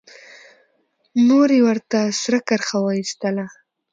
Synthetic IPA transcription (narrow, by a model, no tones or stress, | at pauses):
noɾewəɾt̪asɾakaɾxawaist̪əla